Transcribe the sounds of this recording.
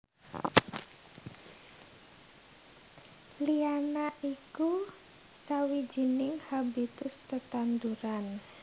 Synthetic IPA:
lianaʔiku | sawi̥d͡ʒ̥i̤nɪŋhabit̪ʊst̪ət̪and̪uɾan

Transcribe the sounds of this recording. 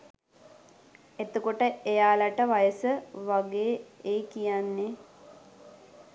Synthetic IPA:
et̪okoʈəejaːlaʈəʋajəsəʋaɡeːeːkijanːe

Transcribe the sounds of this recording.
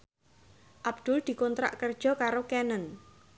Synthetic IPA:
ʔab̥d̪̥ʊld̪̥i̤kɔnt̪ɾa̰ʔkərd̥ʒ̥ɔ̤kaɾokɛnən

